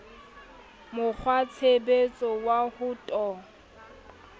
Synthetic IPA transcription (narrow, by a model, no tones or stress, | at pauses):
mʊk͡xʰwat͡sʰebet͡sʼɔwahʊtʼɔ